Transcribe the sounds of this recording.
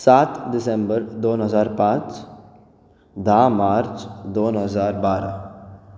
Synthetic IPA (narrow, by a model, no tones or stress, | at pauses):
saːt̪dɪsẽmbəɾd̪oːnɦəzaːɾpãːt͡ʃ | d̪ʱãːmaːɾt͡ʃd̪oːnɦəzaːɾbaːɾa